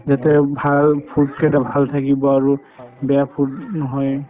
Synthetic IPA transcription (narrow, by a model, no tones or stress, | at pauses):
zatɛbʱalpʰutkʰɛdabʱalt̪ʰakibɔaɹu | bɛapʰutnɔɦɔj